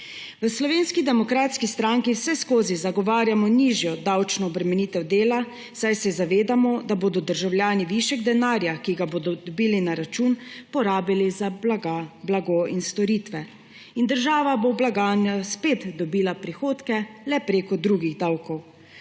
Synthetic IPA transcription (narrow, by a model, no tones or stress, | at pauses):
ʋəslɔʋeːnskid̪ɛmɔkɾaːt̪skist̪ɾaŋkiwsɛskoːzizaɡɔʋaːɾjamɔniːʒjɔd̪awt͡ʃnɔːbɾɛmɛniːt̪ɛwd̪eːla | sajsɛzaʋeːd̪amɔd̪aboːd̪ɔd̪əɾʒawljaːniʋiʃɛɡd̪ɛnaːɾjakiɡaboːd̪ɔd̪ɔbiːlinaɾat͡ʃunpɔɾaːbilizaaɡablaɡoinst̪ɔɾiːt̪ʋɛ | ind̪əɾʒaːʋaboblaɡaːnjaspet̪d̪ɔbiːlapɾixoːt̪kɛlɛpɾeːkɔd̪ɾuːɡiɣd̪awkɔw